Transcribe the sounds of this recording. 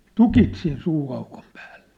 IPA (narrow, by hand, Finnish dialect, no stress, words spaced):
tukit sin suːɑukom pæ̥ːl̥ːe̥